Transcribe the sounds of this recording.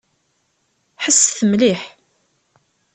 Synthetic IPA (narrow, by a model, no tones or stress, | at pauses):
ħəsːθəmliħ